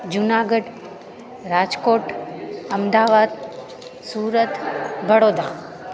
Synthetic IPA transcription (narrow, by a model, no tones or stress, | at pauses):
d͡ʒʊnaːɡəɖ | ɾaːd͡ʒkoːʈəmd̪aːʋaːd̪ | suːɾət̪ʋəɽoːd̪a